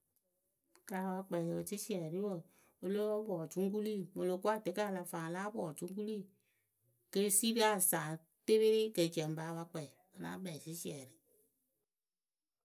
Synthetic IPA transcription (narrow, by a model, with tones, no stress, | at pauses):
ka˨˧wa˧k͡pɛ˨o˨si˦si˦ɛ˨ɾi˦wo˨ | o˧lo˦bɔː˨t͡ʃũ˦ŋ˦k̬u˦liː˦˨mo˨lo˨ku˦a˦˨te˨˦ka˦˨la˧faː˨laː˦bɔː˨t͡ʃũ˦ŋ˦ku˦li˦˨ | ke˦si˦ɾi˦a˦˨saː˨ | te˦βe˦ɾi˦ke˨d͡ʒɛ̃˨m˨baː˨˦wa˧k͡pɛ˨i˨ | o˨la̰ː˨˦bɛ˨si˦si˦ɛ˨ɾi˨˦